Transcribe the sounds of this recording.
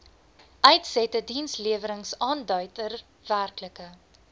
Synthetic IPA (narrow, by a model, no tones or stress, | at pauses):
ʔœɥtsɛtədinsliəvəɾəŋsɑːndœɥtər | værkləkə